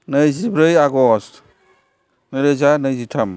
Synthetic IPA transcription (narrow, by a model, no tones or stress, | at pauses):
nɯjzibɾɯjaɡɔs | nɯɾezanɯjzitʰam